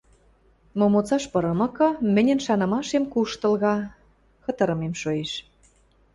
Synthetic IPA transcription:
momot͡sɑʃpɤ̆ɾɤ̆mɤ̆kɤ̆mɘ̆nʲɘ̆nʃɑnɤ̆mɑʃemkuʃt̪ɤ̆lɣɑ | xɤ̆t̪ɤ̆ɾɤ̆memʃojeʃ

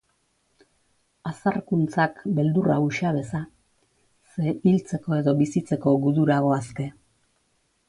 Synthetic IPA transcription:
asarkunt͡sakbe̞ld̪urauʃaβe̞sa | se̞ilt͡se̞ko̞e̞ðo̞βisit͡se̞ko̞ɣuðuɾaɣ̞o̞aske̞

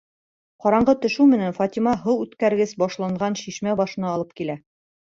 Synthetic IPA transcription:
qɒɾɑɴɢɤt̪ɵ̆ʃʉwmɘ̆nænfɑt̪ʲimɑɦɤwʉt̪kæɾɡɘsbɒʃlˠɑɴʁɑnʃiʃmæbɒʃɤ̆nɑːlˠɤp̚kilæ

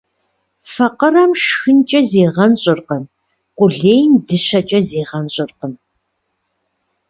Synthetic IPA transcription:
fɐqərɐmʂxɨnt͡ʃʼɐzeːʁɐnɕʼɪrqəm | qʷʊɮeːjmdɨɕɐt͡ʃʼɐzeːʁɐnɕʼɪrqəm

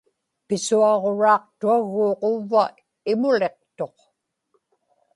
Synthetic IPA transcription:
pɪsuɑʁo̞ɻɑːq̚t̪uaɣːoːqovːa | ɪmʊle̞q̚t̪o̞q

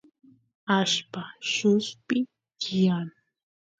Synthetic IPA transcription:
aʃpaʃʊspɪ | t͡ʃɪan

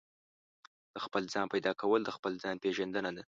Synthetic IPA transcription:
d̪̥əxpəld͡zɑnpajd̪ɑkʰawəld̪əxpəld͡zɑnpeʒand̪ənad̪a

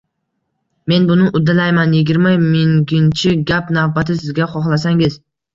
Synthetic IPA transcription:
me̞nbʊnɪʔʊd̪alajmanjɪɡʲɪɾmamɪŋɡʲɪnt͡ʃʰɪɡʲapnavbat̪ʰɪsɪzɡʲaχɒχlˠasaŋɪz̥

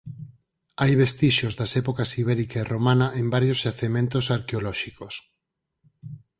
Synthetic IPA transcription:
ajβest̪iʃozdasɛpokasiβ̞ɛɾikaeromãnaʔẽmbaɾjozjaθemẽnt̪osaɾkeolɔʃikos

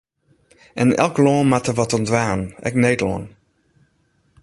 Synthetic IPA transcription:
ɛnɛ̰lˠklɔːnmatəʋɔtɔndʋaːnɛ̰kneːtlɔ̰ːn

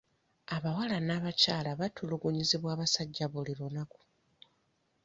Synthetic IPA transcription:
aβawalanaːβacaːlaβatʰuluɡuɲiziβwaːβasaɟːaβuliɾo̞naku̥

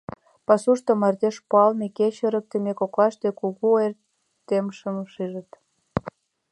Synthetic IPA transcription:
pɑsuʃt̪ŏmɑrd̪eʃpoɑlmekeɕəɾə̆k̚t̪ĕmekoklɑʃt̪ekuɣuer | t̪ːemʃəmʃiʒə̆t̪

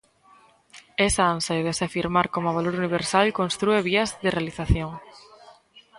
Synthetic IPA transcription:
esaansajðesafiɾmaɾkomʊaβaloɾuniβ̞eɾsalkonst̪ɾueβ̞iɐzðɪrealiθaθjoŋ

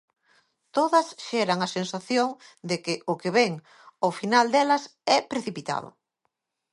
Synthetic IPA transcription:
t̪oðɐsʃɛɾɐŋɐsensaθjoŋd̪ekɪʔʊkeβɛŋ | ofinald̪ɛlɐsɛpɾeθipit̪a̰ð̞ʊ̰

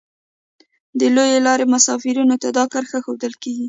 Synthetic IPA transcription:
d̪əlojelɑɾemasɑfiɾunot̪ad̪ɑkəɾxəxod̪əlkeɡi

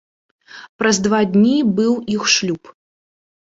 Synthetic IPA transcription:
pɾɐzd̪vad̪ʲnʲibɨwixʂlʲup

